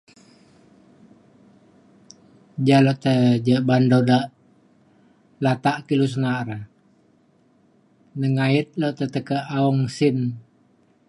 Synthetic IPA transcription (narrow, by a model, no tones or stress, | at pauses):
d͡ʒalɔʔt̪əd͡ʒəbandodaʔ | lat̪aʔkilus̬ənaʔɾə | nəŋait̪̚lɔʔt̪ət̪əkəʔauŋsin